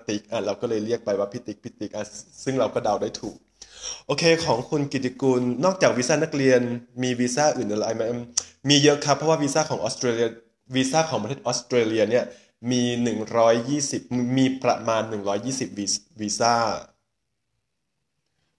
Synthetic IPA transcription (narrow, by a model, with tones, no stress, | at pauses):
t̪i˨˦˩k̚ʔaː˨˩t̪ɾa˧wkɔː˥˩lɤː˧jɾi˥˩ək̚pa˧jwaː˥˩pʰi˦t̪ːi˨˩˦k̚pʰi˦˥t̪ːi˨˦k̚ʔaː˨˩sɯ˥˩ŋɾa˧wkɔː˥˩da˧wdaː˥˩jt̪ʰuː˨˩k̚ʔoː˧kʰeː˧kʰɔː˩˦ŋkʰu˧nki˨˩i˧ku˧nːɔː˥˩k̚t͡ɕaː˨˩k̚wiː˧saː˥˩na˥˩k̚ɾi˧ənmiː˧wiː˧saː˥˩ʔɯː˨˩nʔa˧la˧ʔa˧˩jma˦˥ʔmiː˧jɤ˦˥ʔkʰa˦˥pʰːɔ˧˥waː˥˩wiː˧saː˥˩kʰɔː˩˦ŋʔɔː˦˥st̪ɾeː˧li˧ɐ˧ | wiː˧saː˥˩kʰɔː˩˦ŋpɾʰeː˥˩t̪ʔːst̪ɾeː˧li˧ɐni˥˩ɐ | miː˧nɯ˨˩ŋɾɔː˦˥jːiː˥˩si˨˩p̚miː˧pɾa̰˧maː˧nːɯ˨˩ŋɾɔː˦˥jːiː˥˩si˨˩p̚wiː˧wiː˧saː˥˩